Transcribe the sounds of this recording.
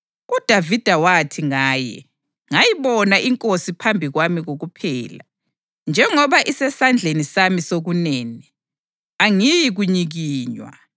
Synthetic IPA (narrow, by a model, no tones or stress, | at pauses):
ud̥ʱavid̥ʱawatʰiŋaːjɛ̰ | ŋajiβɔnaʔiŋkʼosipʰambʱiɣwamiɣoɣupʰɛːla | nd͡ʒʱɛŋɔβaʔisɛsand͡ɮʱenisamisoɣuneːni | aŋijiɣuɲiɣiːɲwa̰